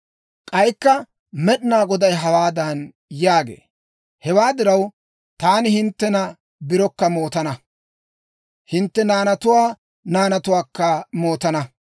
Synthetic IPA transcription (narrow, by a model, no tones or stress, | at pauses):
kʼɐjkːɐ | mɛɗɪnaːɡɔd̪ɐjɦɐwaːd̪ɐn | jaːɡḛː | hɛwaːd̪ɪɾɐw | t̪aːnɪhɪnt̪ːɛnɐ | bɪɾɔkːɐmo̞ːt̪ɐnɐ | hɪnt̪ːɛnaːnɐt̪ʊwaː | naːnɐt̪ʊwaːkːɐmo̞ːt̪ɐnɐ